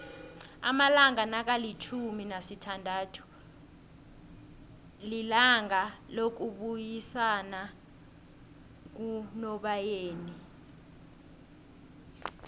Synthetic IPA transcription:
a̰malaŋanak̬alit͡ʃʰuminasitʰandʱaːtʰu̥ | lilaŋalok̬uɓujisana | k̬unɔɓajeːni

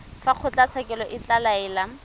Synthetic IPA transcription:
faq͡χʰʊt͡ɬat͡sʰɛkɛlɔʔɪt͡ɬalaɛːla

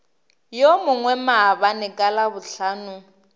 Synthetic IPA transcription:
jomʊŋwɛmabanɪkʼalabʊɬaːnʊ

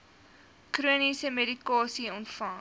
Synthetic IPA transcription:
kruənisəmeɾikɑːsiɔntfɐŋ

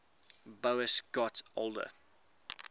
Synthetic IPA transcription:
boʊəsɡ̥ɔtolˠdə̰

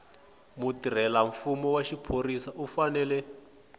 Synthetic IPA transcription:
mutiɾ̤ɛlaɱfumɔwaʃipʰorisaʔufanɛlɛ

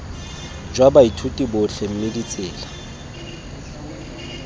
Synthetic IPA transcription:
d͡ʒwabaitʰutʼibʊɬem̩mɪdit͡sʼɪːla

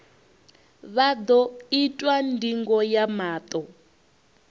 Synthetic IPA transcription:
βad̪ɔitʼwandiŋɡɔjamaːt̪ʼɔ

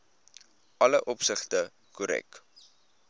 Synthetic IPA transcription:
ɐləʔɔpsəχtə | kuɾɛ̰k

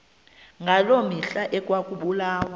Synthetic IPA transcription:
ŋɡʱalomiɬaʔɛkʼwakʼuɓulaːwa

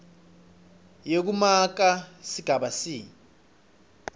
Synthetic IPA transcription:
jek̬umak̬asiɡ̥ʱaɓasiː

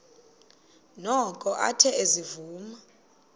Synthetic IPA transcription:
nɔkʼɔʔa̰tʰɛezivuːma

